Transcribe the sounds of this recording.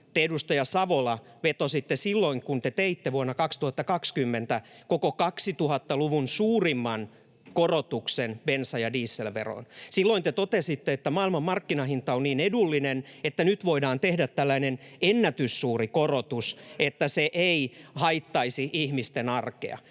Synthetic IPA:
t̪eedust̪ɑjɑsɑʋolɑ | ʋet̪osit̪ːesilːoiŋkunt̪et̪eit̪ːeʋuonːɑkɑkst̪uhɑt̪ːɑkɑkskymːent̪ækokokɑksit̪uhɑt̪ːɑluʋunsuːrimːɑn | korot̪uksenb̥ensɑjɑdiːsːelʋḛro̰nsilːoint̪et̪ot̪esit̪ːeet̪ːæmɑːilmɑmmɑrkːinɑhint̪ɑonniːnedulːinenet̪ːænyt̪ʋoidɑːnt̪ehdæt̪tælːæinenenːæt̪ysːuːrikorot̪uset̪ːæseʔeihɑit̪ːɑisiʔihmist̪enɑrkḛɑ̰

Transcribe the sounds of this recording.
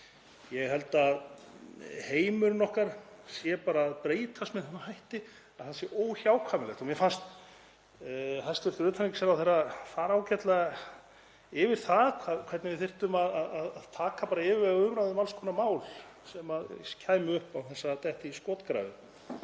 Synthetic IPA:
jɛɣɦɛl̪t̪að | heːjmʏɾnɔhkaɾ̥sjɛpaːɾaːðpɾeːjt̪ʰast̪mɛðθɛnahajht̪ɪ | aðθansjɛʔoːwçaːwkʰvamɪlɛxt̪ɔmjɛfanst̪ | ɦajst̪vɪɾ̥t̪ɪɾʏːt̪ʰaniŋcɪ̥sɛɾawθejɾaθaɾaːwcɛt̪la | ɪvɪɾ̥θaðkʰakʰv̥ɛt̪nɪvɪθɪr̥t̪ʏmaðaðaðaðt̪ʰaːkapaːɾaɪvɪɾvɛɣaʏmɾajðʏmalskʰɔnamaːwl | sɛmaðscʰaːjmʏʏhpawθɛsːat̪ɛht̪ɪiskɔːt̪kɾa̰ːvɪ

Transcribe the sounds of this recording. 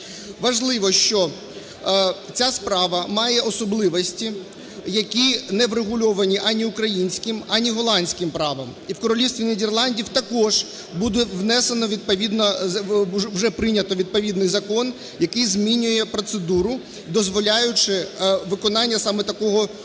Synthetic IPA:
ʋɐʒlˠɪʋɔʃt͡ʃɔ | t͡sʲaspɾɑʋɐmɑjɛɔsɔblˠɪʋɔsʲtʲi | jɐkʲinɛʋɾeɦʊlʲɔʋɐnʲiʔɑnʲiʊkɾɐjinʲsʲkɪmɑnʲiɦɔlˠɑnʲsʲkɪmpɾɑʋɐmiwkɔɾɔlʲiwst̪ʋʲined̪ʲerlˠɑnʲdʲiwt̪ɐkɔʒ | bud̪ɛʋnɛsenɔʋʲid̪̚pɐʋʲid̪nɐ | wʒɛpɾɪnʲɐt̪ɔʋʲid̪̚pɔʋʲid̪nɪjzɐkɔn | jɐkɪjzmʲinʲʊjɛpɾɔt̪sed̪uɾʊ | d̪ɔzʋɔlʲajʊt͡ʃɪʋɪkɔnɑnʲːɐsɑmɛt̪ɐkɔɦɔ

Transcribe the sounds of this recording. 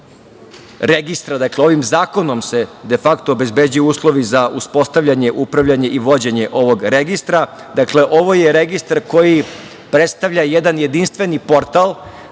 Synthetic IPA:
ɾeɡist̪ɾad̪akleo̞ʋimzaːko̞no̞mse̞d̪e̞fakt̪oːbe̞zbed͡ʑujuːslˠo̞ʋizaʔuspo̞st̪avʎaɲe̞ʔupɾaʋʎaɲe̞ʔiʋo̞d͡ʑe̞ɲe̞ʔo̞ʋo̞ɡɾe̞ɡist̪ɾa | d̪akle̞ʔo̞ʋo̞jeɾe̞ɡist̪aɾko̞ji | pɾet̪st̪aʋʎajed̪anje̞d̪inst̪ʋe̞nipo̞ɾt̪alˠ

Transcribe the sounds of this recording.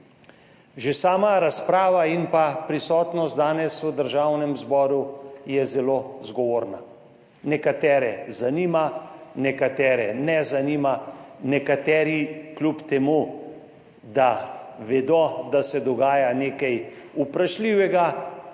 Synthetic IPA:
ʒesaːmaɾaspɾaːʋainpapɾisɔːt̪nɔst̪d̪aːnɛsud̪əɾʒawnɛmzbɔːɾujɛzɛlozɡɔʋoːɾna | nɛkat̪ɛːɾɛzaniːmanɛkat̪ɛːɾɛnɛzaniːmanɛkat̪ɛːɾiklʲupt̪ɛmu | d̪aʋɛd̪ɔd̪asɛd̪ɔɡaːjaneːkɛj | upɾaʃliːʋɛɡa

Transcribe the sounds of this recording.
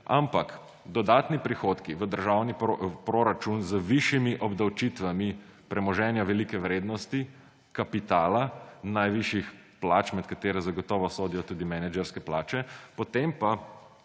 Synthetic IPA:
a̰mpak | d̪ɔd̪aːt̪nipɾixoːt̪kiʋəd̪əɾʒawnipɾoɾat͡ʃunzəʋiʃjimiʔɔbd̪awt͡ʃit̪ʋami | pɾɛmɔʒɛnjaʋɛlikɛʋɾeːd̪nɔst̪i | kapit̪aːlanajʋiʃjix | plaːt͡ʃmɛt̪kat̪eːɾɛzaɡɔt̪ɔːʋɔsoːd̪ijɔt̪uːd̪imɛnɛd͡ʒɛɾskɛplaːt͡ʃɛpɔt̪empa

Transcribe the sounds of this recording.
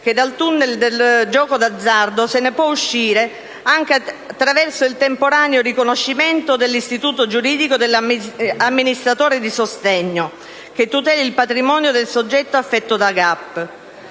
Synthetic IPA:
k̟ed̪alt̪unːeld̪eld͡ʒɔːkod̪ad̪zːard̪osenepwɔuʃːiːɾe | aŋk̟eat̪ːɾavɛrsoilt̪empoɾaːneorikonoʃːimɛnt̪od̪elːist̪it̪uːt̪od͡ʒuɾiːd̪ikod̪elːamːinist̪ɾat̪oːɾed̪isost̪ɛɲːo | k̟et̪ːut̪ɛːlilpat̪ɾimɔːnjod̪elsod͡ʒːɛt̪ːoafːɛt̪ːod̪aɡapː

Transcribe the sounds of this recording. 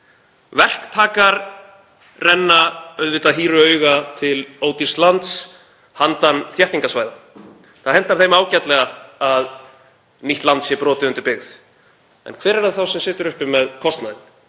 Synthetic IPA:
vɛr̥kt̪ʰaːkaɾ | rɛnːaœɥðvɪt̪aðɦiːɾʏœɥɣat̪ʰɪloːwt̪irst̪lant̪s | hant̪anθjɛht̪iŋkasvaːjða | θaðɦɛn̥t̪aɾ̥θejmaːwcat̪lɛɣaað | niht̪lant̪sjɛpɾɔːt̪ɪʏnt̪ʏɾpɪɣð | ɛ̰nkʰvɛːɾɛɾðaθawsɛmsɪːt̪ʏɾʏhpɪmɛðkʰɔst̪naðɪn

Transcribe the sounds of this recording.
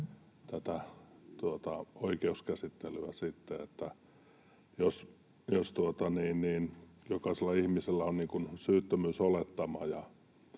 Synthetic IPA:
t̪æt̪æt̪uot̪ɑoikeuskæsit̪ːelyæsit̪ːeet̪ːæ | jos | jost̪uot̪ɑniːnniːnjokɑˑiselːɑihmiselːæonniːŋkunsyːt̪ːømyːsolet̪ːɑmɑjɑ

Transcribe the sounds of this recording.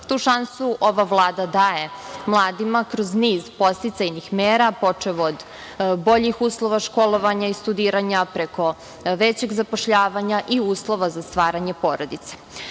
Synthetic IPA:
t̪uːʃansuʔo̞ʋaʋlˠaːd̪ad̪aːje̞mlˠaːd̪imakɾo̞zniːzpo̞st̪it̪sajnixmeːɾapo̞t͡ʂeʋoːd̪ | bo̞ʎixuːslˠo̞ʋaʃko̞lˠo̞ʋaɲaist̪ud̪iːɾaɲapɾeko̞ | ʋet͡ɕeɡzapoʃʎaːʋaɲaʔiuːslˠo̞ʋazast̪ʋaːɾaɲepoːɾod̪it̪se̥

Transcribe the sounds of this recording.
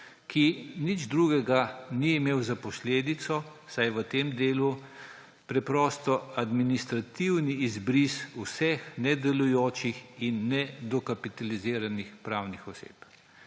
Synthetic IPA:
kʰinid͡ʒd̪ɾuɡɛɡaniimeːwzapɔsleːd̪it̪sɔsajʋət̪eːmd̪eːlu | pɾɛpɾɔːst̪ɔad̪minist̪ɾat̪iwniːzbɾisusɛxnɛd̪ɛlujoːt͡ʃixinːɛd̪ɔkapit̪aliziːɾanixpɾawnixɔsḛːp

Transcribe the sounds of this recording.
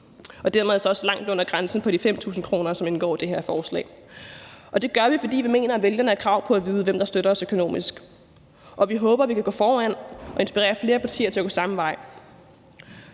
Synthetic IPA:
ʔɒ̽d̥æɐ̰með̩ˠsɒ̽ɒ̽slɑ̈ŋ̰d̥ɔ̽n̰ɐɡ̥ʁansn̩pʰɒ̽ɾ̥ifem̰t͡sʰṵːsn̩kʰʁo̝ːnɐsɒ̽me̝nɡ̥ɒ̰ːd̥e̝ɦeɐfɒːslɛ̰ː | ʔɒ̽d̥e̝ɡ̥ɶɐʋifɒ̽d̥ḭːʋime̝̰ːnɐæʋeljɐnəækʰʁɑ̈ʊ̰pʰɒ̽æʋiːð̞ˠəʋemd̥ɑ̈sd̥øɾɐɒsøkʰo̝no̝̰ːmisɡ̥ | ʔɒ̽ʋiɦɔ̽ːb̥ɐʋikʰæɡ̥ɔ̰ːfɒːæn̰ɒ̽e̝nsb̥iʁɛ̰ːɐfle̝ːɐpʰɑ̈t͡sʰḭːɐt͡sʰe̝ɐɡ̥osɑ̈m̩ʋɑ̈ɪ̰

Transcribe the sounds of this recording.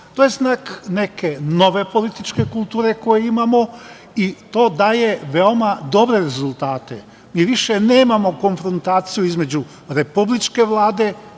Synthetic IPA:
t̪oːjeznaːkne̞kʰe̞no̞ʋe̞po̞lit̪it͡ʃke̞kulˠt̪uːɾe̞ko̞jeimamo̞ | it̪o̞ːd̪aːje̞ʋe̞omad̪o̞bɾe̞ɾe̞zulˠt̪aːt̪e̞̰ | miːʋiʃeneːmamo̞ko̞nfɾont̪aːt̪sijuizme̞d͡ʑu | ɾe̞publit͡ʃke̞ʋlˠaːd̪e̞

